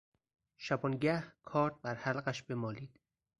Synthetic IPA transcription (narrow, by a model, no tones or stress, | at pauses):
ʃæbɒːnɟæhkʰɒːɾt̪̚bæɾhælɢæʃbe̞mɒːliːd̪̥